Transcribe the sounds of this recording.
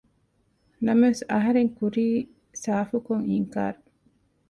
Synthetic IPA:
nɐmɐesɐɦɐɾeŋkuɾiː | saːfukoŋiŋka̰ːɾu

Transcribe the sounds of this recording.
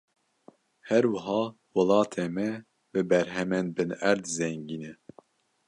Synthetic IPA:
hɛɾwɨɦɑː | wɑlɑːt̪ʰeːmɛ | bɨbɛɾɦɛmɛnbɨnæɾd̪zɛŋɡiːnɛ

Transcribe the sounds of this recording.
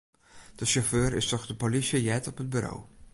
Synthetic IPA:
d̥əʃoføːɾɪ̰stɔχdəpolisəjɛtɔpɦəd̚byɾo̰w

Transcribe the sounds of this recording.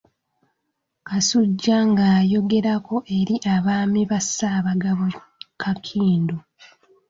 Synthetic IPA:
kasuɟːaŋɡaːjo̞ɡe̞ɾako̞ʔe̞ɾiʔaβaːmiβasːaːβaɡaβo | kʰakʰiːndo

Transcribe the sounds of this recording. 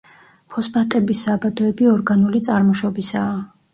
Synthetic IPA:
pʰɔspat̪ʼɛbisːabad̪ɔɛbiɔɾɡanulit̪sʼaɾmɔʃɔbisaː

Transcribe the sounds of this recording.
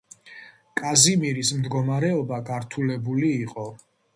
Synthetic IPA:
kʼazimiɾismd̪ɡɔmaɾɛɔbaɡaɾt̪ʰulɛbuliːqʼɔ

